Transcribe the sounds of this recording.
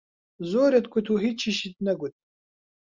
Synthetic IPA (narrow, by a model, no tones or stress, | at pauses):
zoːɾet̪̚kʰʷut̪ʰuɦit͡ʃʰːiʃit̪̚nɐɡut̪̚